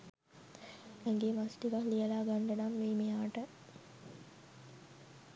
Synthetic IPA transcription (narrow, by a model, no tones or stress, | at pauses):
ɛŋɡeːmasʈiʋaklijəlaːɡaɳɖənamʋeːmejaːʈə